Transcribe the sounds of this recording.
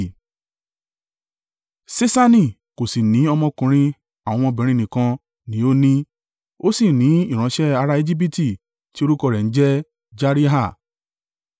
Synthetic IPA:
se˦sa˦nĩ˦˨ | ko˨si˨nĩ˨˦ɔ˧mɔ̃˧kũ˨˧ɾ̃ĩ˧ | a˨w̃ɔ̃˧w̃ɔ̃˧bɛ̃˨˦ɾĩ˦nĩ˨kã˧ | nĩ˨˦o˦nĩ˦ | o˦si˦˨nĩ˨˦i˦˨ɾ̃ã˨˧˦ʃɛ˦a˧ɾa˦e˧d͡ʒi˦p̬i˦ti˦˨ | ti˦o˧ɾu˦kɔ˧˨ɾɛ˨n̩˦d͡ʒɛ˦ | d͡ʒa˦ɾi˦ɦa˦˨

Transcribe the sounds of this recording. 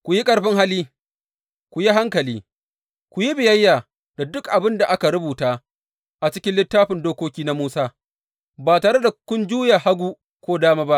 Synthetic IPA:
kʷʊ˨ji˦kʼɐ˨ɽɸɪ˦ŋɦa˦lːiː˦ | kʷu˨ji˦ɦa˦ŋkɐ˨liː˦ | kʷʊ˨ji˦bɪ˨jɐ˦jːaː˨ | da˨dʊ˦kʔa˨bɪ˦nda˨ʔa˦ka˨ɾʊ˦buː˨taː˦ | ʔa˨t͡ʃɪ˦kʲɪ˦nlɪ˦tːaː˦ɸɪ˨ndoː˦kʷoː˦kʲiː˦na˦muː˦saː˦ | baː˨taː˨ɽe˦da˨kʷʊ˦nd͡ʒuː˦ja˨ha˦ɡʷuː˦ | kʷoː˦daː˦maː˦ba˦ʔ

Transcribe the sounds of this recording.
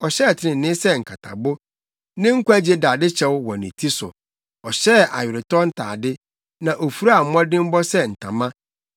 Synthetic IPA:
ɔ˨ɕɛ˦˨tʰɪ˨ɪ̃˨nɪ̃˦sɛ˦ŋ̩˨kʰa˨tʰa̰˨bʊ˦ | nɪ̃˦ŋ̩˦kʷa˦d͡ʑe˦daː˨dɪ˦t͡ɕʰɛ˨wwɔ̃˨nɪ̃˨tʰi˦sʊ̰˨ | ɔ˨ɕɛ˦˨a̰˨ɥɪ˨ɾɪ˨tʰɔ˦n̩˦tʰa̰ː˨dɪ˦ | nã˨ʔo˨fu˦ɾa˦a˨m̩˦m˦ɔ̃˦dɪ̃˦m˦bɔ˦sɛ˦n̩˨tʰã˨mã˦

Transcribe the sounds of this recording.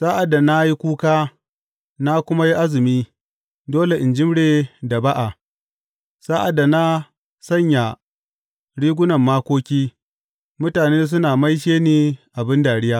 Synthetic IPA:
sa˦ʔa˨dːa˨na˦ji˦kʷuː˦kaː˦ | na˦kʷʊ˦ma˦ji˦ʔa˦zɪ˨miː˦ | doː˦le˨ʔɪ˨nd͡ʒɪ˦mɽeː˨da˨ba˦ʔa˨ | sa˦ʔa˨dːa˨na˦ | sɐ˦ɲja˨ | ɽiː˦ɡʷʊ˦nɐ˨mːaː˦kʷoː˦kʲiː˦ | mʊ˦taː˨neː˦s̬ʊ˦naː˨ma˦jʃeː˦neː˦ʔa˨bɪ˦ndaː˨ɽɪ˦jaː˦

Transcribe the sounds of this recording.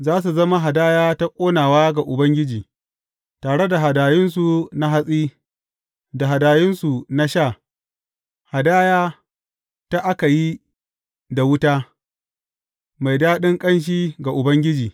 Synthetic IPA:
zaː˦s̬u˨zɐ˦ma˦ɦa˨daː˦jaː˦ta˦kʷʼoː˦naː˨waː˦ɡa˨ʔʊ˨bɐ˦ŋɡʲɪ˦d͡ʒiː˨ | taː˨ɽe˦da˨ɦa˨daː˨jɪ˦nsu˨na˦ɦa˦sʼiː˦ | da˨ɦa˨daː˨jɪ˦nsu˨na˦ʃaː˦˨ | ha˨daː˦jaː˦ | ta˦ʔa˦ka˨ji˦ | da˨wʊ˦taː˦ | ma˨jdaː˦ɗɪ˦ŋkʼɐ˦nʃ̬iː˦ɡa˨ʔʊ˨bɐ˦ŋɡʲɪ˦d͡ʒiː˨

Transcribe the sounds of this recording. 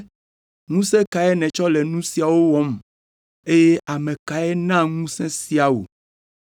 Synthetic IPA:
ŋũ˦sɛ̃˦ka˨ɛ˦nɛ̃˨t͡ʃɔ˦lɛ˨nũ˦si˨a˨wo˦wɔ˦m | e˦je˦ʔa˨mɛ̃˨ka˨ɛ˦nã˦ŋũ˦sɛ̃˦si˦a˨wo̰˨

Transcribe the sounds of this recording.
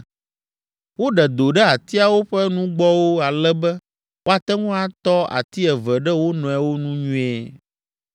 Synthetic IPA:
wo˦ɖɛ˨d̪o˨ɖɛ˦a˨t̪i˦a˨wo˦ɸɛ˦nũ˦ɡ͡bɔ˦wo˦a˨lɛ˦bɛ˦ | wʔo˦a˨t̪ɛ˦ŋũ˦a˨t̪ɔ˦a̰˨t̪i˦ɛ˨vɛ˨ɖɛ˦wo˦nɔ̃˨ɛ˨wo˦nũ˦ɲũ˦ɛ˦

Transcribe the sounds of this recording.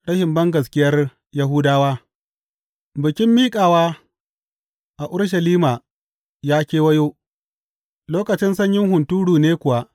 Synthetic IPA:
ɽɐ˦ʃɪ˨mbɐ˦ŋɡɐ˨s̬kʲɪ˦jɐ˦r | jɐ˦ɦʊː˦daː˦waː˦ | bɪ˨kʲɪ˦mːiː˦kʼaː˨waː˦ | ʔa˨ʔʊ˦ɽʃ̬ɐ˨liː˦maː˨ | jaː˦kʲeː˦wɐ˦joː˦ | loː˦kɐ˨t͡ʃɪ˦nsɐ˦ɲjɪ˦ŋɦʊ˨ntuː˦ɽuː˨neː˦kʷʊ˨wa˦ʔ

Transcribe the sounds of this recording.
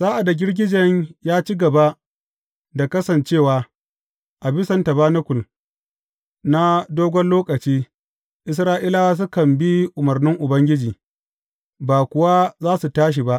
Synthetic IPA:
saː˦ʔa˨da˨ɡʲɪ˦rɡʲɪ˦d͡ʒɐ˨ɲjaː˦t͡ʃi˦ɡɐ˨ba˦ | da˨kɐ˦sɐ˨nt͡ʃeː˦˨waː˨ | ʔa˨bɪ˦sɐ˨nta˨baː˦nɐ˦kʷʊ˨l | na˦doː˦ɡʷɔ˦nloː˦kʼɐ˨t͡ʃiː˦ | ʔɪ˦s̬ɾaː˦ʔi˦la˦waː˦s̬ʊ˦kɐ˨mbi˦ʔʊ˨mɐ˨rnɪ˦ŋʔʊ˨bɐ˦ŋɡʲɪ˦d͡ʒiː˨ | baː˨kʷʊ˨wa˦zaː˦su˨taː˦ʃ̬i˨ba˦ʔ

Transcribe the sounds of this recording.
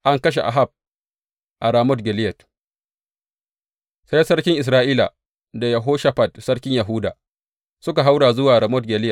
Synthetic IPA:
ʔa˦ŋkɐ˦ʃ̬e˨ʔa̰˨ɦa˦˨b̚ | ʔa˨ɾa˨mɔ˦tɡʲɛ˨lɪ˦jɛ˨t | sa˦jsɐ˦ɽkʲɪ˦ŋʔɪ˨s̬ɾaː˦ʔiː˦la̰˨ | da˨ja˨ɦoː˦ʃa˦ɸa˨tsɐ˦ɽkʲɪ˦ɲja˨ɦuː˦da̰ː˨ | sʊ˦ka˨ɦa˦wɽaː˨zʊ˦waː˨ɾa˨mɔ˦t̚ɡʲɛ˨lɪ˦jɛ˨

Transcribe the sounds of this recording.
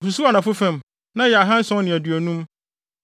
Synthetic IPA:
su˨su˦a˨nã˨fʊ˦fɛ̃˦˨m | nã˦jɛ˨a˨ɦã˦n̩˦sɔ̃˦nɪ̃˨æ˨dɥæ˨nũ˦m

